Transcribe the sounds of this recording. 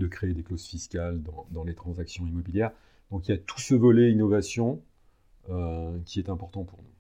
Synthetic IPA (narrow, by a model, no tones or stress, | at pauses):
d̪əkχeed̪eklozfiskʲald̪ɑ̃d̪ɑ̃let̪χɑ̃zaksjɔ̃imɔbiljɛʁ | d̪̥ɔ̃kiljat̪u̥səvɔlɛinɔvasjɔ̃ | økʲiɛt̪ɛ̃pɔʁt̪ɑ̃puʁnu